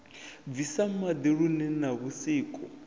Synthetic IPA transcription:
visamad̪iɺunɛnaβusiːkʼɔ

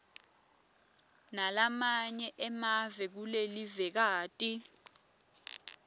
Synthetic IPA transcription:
nalamaɲɛʔɛmavɛk̬ulelivɛk̬aːtʼi

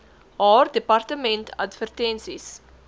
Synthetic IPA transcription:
ɦɑːrdepɐrtəmɛntʰɐ̰tvərtɛnsis

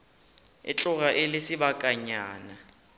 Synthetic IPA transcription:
ɪ̰t͡ɬʼʊɣaʔɪlɪsɪbakʼaɲaːna

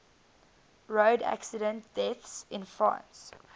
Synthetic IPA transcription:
ɹoːdæ̰ksɪdə̃ntd̥ɛθsɪ̃nfɹã̰ːns

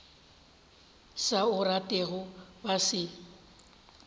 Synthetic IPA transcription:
saʊratʼɛɣʊbasɪ

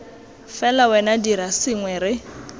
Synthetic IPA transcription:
fɛlawɛnadiɾasɪŋwɛɾɪ

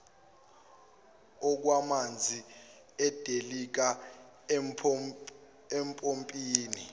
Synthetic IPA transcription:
ɔk̬wamand͡zʱi | ɛd̥ʱelik̬a | ɛmpʼompʼiːni

